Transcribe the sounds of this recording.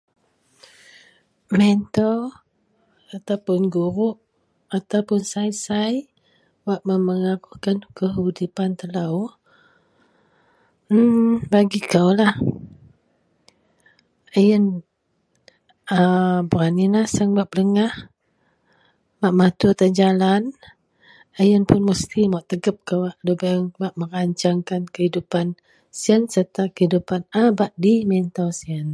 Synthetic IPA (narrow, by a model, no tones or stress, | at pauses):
mɛnt̪ɔ | at̪awpʊnɡuɾʊʔ | at̪awpʊnsajsaj | waʔməməŋakukankəɦudipant̪əlaw | baɡikawlah | əjən | əbuɾaninasəŋbap̚ləŋah | baʔmat̪ut̪ad͡ʒalan | əjənpʊnməst̪ʰimaʔt̪əɡəp̚kəwaʔlubəŋbaʔməɾaɲt͡ʃaŋkankəɦidupan | siənsərt̪akəhidupanabaʔdimɛnt̪awsiən